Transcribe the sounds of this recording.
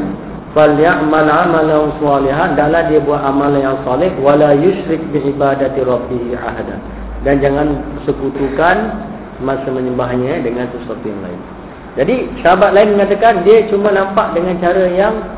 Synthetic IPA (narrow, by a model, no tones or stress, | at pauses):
faljaʔmanʕamalansɑliɦandaʔlahdiəbuat̪amalanjaŋsɑlɪhwalajuʃɾɪk̚biʕibadat̪ɾˤɑbːiɦia̰ɦada̰n | dand͡ʒaŋãnəsəkut̪ukan | mãsəmə̃ɲəmbaɦɲadəŋãnsəsat̪uja̰ŋla̰ɪ̰n | d͡ʒadisəɦabat̪̚laɪnməŋat̪akandiət͡ʃumanampaʔdəŋant͡ʃaɾajaŋ